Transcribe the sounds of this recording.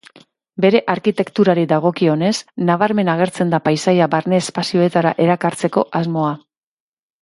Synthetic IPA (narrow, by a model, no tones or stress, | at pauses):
be̞ɾe̞ʔaɾkit̪e̞kt̪uɾaɾiðaɣ̞o̞kio̞ne̞snaβaɾme̞naɣ̞e̞ɾt͡se̞nd̪apajsajabaɾne̞ːspasio̞e̞t̪aɾaʔe̞ɾakaɾt͡se̞ko̞ʔazmo̞a